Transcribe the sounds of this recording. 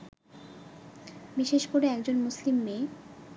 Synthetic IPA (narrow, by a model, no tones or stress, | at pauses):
biʃeʃkoɾeɛkd͡ʑonmuslimːeː